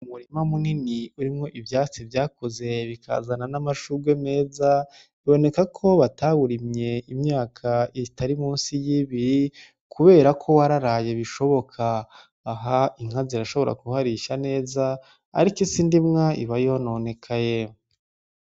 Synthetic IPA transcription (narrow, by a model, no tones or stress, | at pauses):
umuɾimamuniniuɾimŋo̞ʔivjaːt͡sivjaːko̞ze̞βikʰa̰zananamaʃuɡwe̞me̞ːza | βiβo̞ne̞kakʰo̞βataβuɾimɲe̞imɲaːkʰaitaɾimuːnsijiβiɾi | kʰuβe̞ːɾakʰo̞waɾaɾaːje̞βiʃo̞βo̞kʰaː | ɦaiŋ̥aziɾaʃo̞βo̞ɾa̰kuhaɾiʃane̞ːza̰ː | ɾikisindimŋaḭβajihonoone̞kʰaje